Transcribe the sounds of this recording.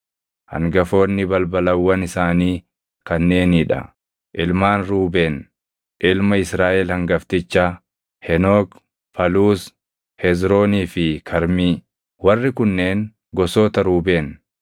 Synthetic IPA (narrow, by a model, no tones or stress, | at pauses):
hɐ̰ŋɡɐfo̞ːnːɪbɐlbɐlɐwːɐnɪsaːniː | kɐnːe̞ːniᶑɐ̰ | ʔɪlmaːnɾuːbeːn | ʔɪlmɐɪsɾaːʔɛlhɐŋɡɐft̪ɪt͡ʃːa | hɛnoːk | pɐluːs | hɛzɾo̞ːniːfɪkʰɐɾmiː | wɐrːɪkʊnːe̞ːŋ | ɡɔsoːt̪ɐɾuːbeːn